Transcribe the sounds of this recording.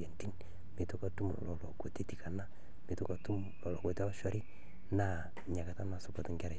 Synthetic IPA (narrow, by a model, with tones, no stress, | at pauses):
e˨nti˦n | mi˨tu˦ka˨tu˦mɔ̰˨lɔ˨lɔ̰˨ko˨ti˦ti˨ka˨na˦ | mi˨tu˦ka˨tu˦m | lɔ˨lɔ˨ko˨te˦ɔ˦ʃɔ˦ɾi˦ | na˦ | ɲa˨ka˨ta˦na˨sʊ˨pɔ˨tɪ˦ŋɡɛ˦ɾa˨